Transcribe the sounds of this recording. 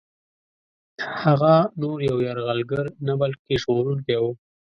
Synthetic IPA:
haɣanoɾjawjaɾɣalɡəɾnabalkeʒɣoɾuŋkewu

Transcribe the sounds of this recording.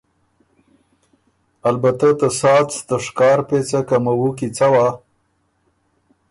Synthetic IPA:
albat̪at̪əsɑt͡st̪əʂkɑːɾpet͡sakamawukit͡sawa

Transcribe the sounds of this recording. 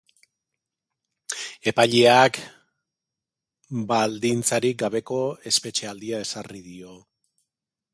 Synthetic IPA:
e̞paʎeak | bald̪int͡saɾik̚ɡaβe̞ko̞e̞spe̞t͡ʃe̞ald̪iae̞sariðio̞

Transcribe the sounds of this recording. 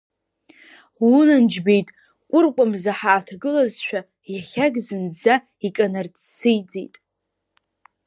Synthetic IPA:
wunɨnd͡ʒbe̞jtʼ | kʷʼʊrkʷʼamzaħaːtʰaɡɨlazʃʷᶣa | jaχʲaɡzɨnd͡za | ikʼanart͡sʰsɨjd͡zḛjtʼ

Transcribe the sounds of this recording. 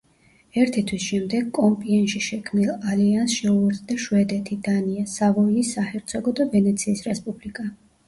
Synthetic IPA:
ɛɾt̪ʰit̪ʰwisʃɛmd̪ɛɡ̚kʼɔmpʼiɛnʃiʃɛkʰmnilˠaliansʃɛuɛɾsʼd̪aʃwɛd̪ɛt̪ʰid̪aniasavɔiːsːahɛɾt̪sʰɔɡɔd̪avɛnɛt̪sʰiːsɾɛspʼublikʼa

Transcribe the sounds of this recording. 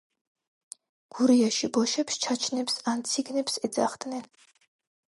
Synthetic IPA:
ɡ̥uɾijaʃibɔʃɛpst͡ʃʰat͡ʃʰnɛpsant̪sʰiɡnɛpsɛd̪za̰χd̪nɛn

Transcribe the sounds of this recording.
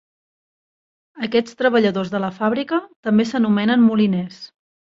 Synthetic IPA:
əkɛt͡st̪ɾəβəʎəðozðələfaβɾikət̪əmbesənumɛnənmulinɛs

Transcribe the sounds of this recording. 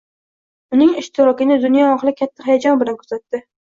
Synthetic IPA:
ʊnɪŋɪʃt̪ʰɪɾɒkʲɪnɪd̪ʊnjɒɒχɨlˠɪkʲʰat̪ʰːahajad͡ʒɒnbɪlankʰɵsat̪ːɪ

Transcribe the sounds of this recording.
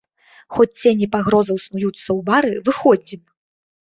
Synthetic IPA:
xɔt͡sʲt͡sʲenʲipaɣɾɔzɐwsnujut̪sːɐwbaɾɨvɨxɔd͡zʲim

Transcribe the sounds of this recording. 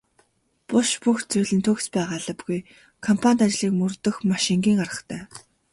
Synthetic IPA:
pʊʃpuxt͡sujɮɘ̆nt̪ʰɵxspæːʁaːɮə̆pɡuj | kʰɔmpʰanʲt̪at͡ɕɮiːkmɵrt̪ɵ̆xmaʃɪŋɡʲiːŋɢarʁə̥̆χt̪ʰæː

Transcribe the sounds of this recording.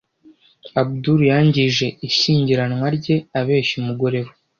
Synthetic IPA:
abuduɾjaːɲɟiʒe̞iʃiːɲɟiɾanŋwaɾɟe̞aβe̞ːʃimuɡo̞ɾe̞βo

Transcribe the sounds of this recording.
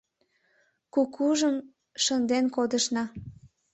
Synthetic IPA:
kukuʒəm | ʃənd̪enkod̪əʃnɑ

